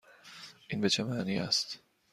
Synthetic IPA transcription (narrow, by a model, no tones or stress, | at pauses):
ʔiːnbet͡ʃʰemæʔniːʔæ̰st̪